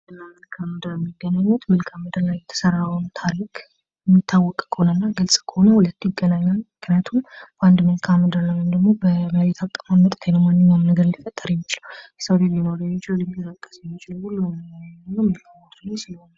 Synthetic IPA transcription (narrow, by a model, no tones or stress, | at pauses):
ɨlamɨlkʰamːəd̪əɾɛmːiɡːənaɲːut̪mɨlkʰamːɨd̪əɾlajɛt̪ʰə̥səɾawnt̪ʰaɾikʰ | jɛmːit̪ʰːawːɔkʼːkʰonənːaɡɨlsʼkʰəhonəhulət̪ːjɪɡːənaɲːalmɨknijat̪ʰumband̪mɨlkʰamːɨd̪əɾlajəmd̪əɡmobəməwet̪ʰakʼːmamət̪ʼt̪ʰːajnəwmanːɨɲːanəɡəɾldifət̪ʼːəɾjɛmːət͡ʃɪlwjɛsəwd̪eljinoɾəɲːɛt͡ʃɪllɛmːit̪ət̪əkʼːə̥səɲːot͡ʃːɪləhulːujmnːəwmɨlkʰamot̪nsɪləhona